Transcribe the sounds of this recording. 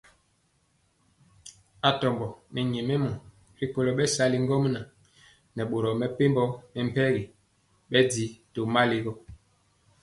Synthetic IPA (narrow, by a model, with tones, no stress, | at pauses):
a˨tɔ˨mbɔ˨nɛ˨ɲe˨me˦mɔ˨ | ɾi˨ko˨lo˨ɓɛ˦sa˨li˦ŋɡɔ˦m˦na˨ | nɛ˨ɓo˨ɾɔ˨mɛ˨pe˦mbɔ˦mɛ˨m̩˨pɛ˦ɣi˨ | ɓɛ˦di˨to˨ma˦li˨ɡɔ˦